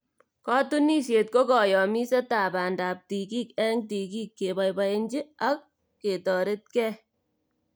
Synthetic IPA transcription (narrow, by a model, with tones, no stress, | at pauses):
kɑ˦tu˦ni˦se˨t̚ko˦kɔ˨jɔ˨mi˦sɛ˦ta˨ba˨ndaː˨p̚ti˨ki˦kɛ˦ŋ̚ti˨ki˦kːe˨ba˨jba˨jend͡ʒi˦a˦k̚ː | e˨tɔː˨ɾe˦t̚kɛ˦